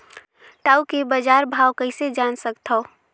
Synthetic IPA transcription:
ʈaːukebad͡ʒaːɾbʱaːwkəɪsed͡ʒaːnsəkt̪ʰo

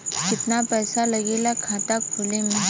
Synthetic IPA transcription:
kɪt̪napɛːsalɐɡelakʰãt̪ak̚bʰʱʊlẽːŋɡa

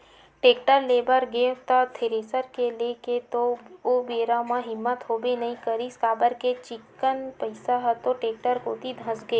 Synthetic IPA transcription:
ʈeːkʈəɾleːbəɾɡẽːft̪at̪ʰeɾeːsəɾkeleket̪oobeːɾamãɦɪmːət̪ɦoːbenɐĩkəɾiskaːbəɾket͡ʃɪkːənpəɪsaɦt̪oʈeːk̚ʈəɾkoːt̪id̪ʱə̃sɡeː

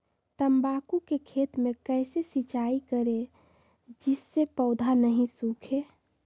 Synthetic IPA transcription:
t̪əmbaːkukekʰet̪mẽkəɪsesit͡ʃaikəɾe | d͡ʒɪsːepəʊd̪ʱanəɦĩsũkʰe

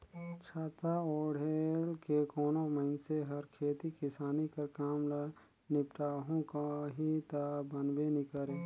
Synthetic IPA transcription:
t͡ʃʰaːt̪aoːɽelkekɔːnoməɪnseɦɐɾkʰeːt̪ikɪsaːnikakaːmla | nɪpʈaːɦõkaɦit̪abənbenikəɾeː

